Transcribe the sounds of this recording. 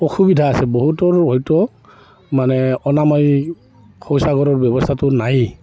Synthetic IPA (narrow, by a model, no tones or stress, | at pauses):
ɔxubidʱaːsɛboɦutɔɹɔjtɔ | manɛɔnamaj | kʰɔwsaɡɔɹɔɹbjɔbɔstʰatʊnaj